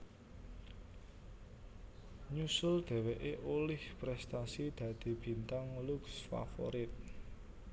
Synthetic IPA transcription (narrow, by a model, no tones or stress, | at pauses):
ɲusʊld̪̥e̤weʔeʔolɪhpɾɛst̪asid̪̥ä̤d̪̥i̤b̥i̤nt̪aŋluksfa̰fo̰ɾɪt̪̚